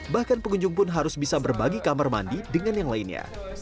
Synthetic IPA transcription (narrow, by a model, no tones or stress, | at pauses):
bahkanpəŋuɲd͡ʒʊŋpʊnɦaɾʊsbisabərbaɡikamarma̰ndidəŋanjaŋlainɲa̰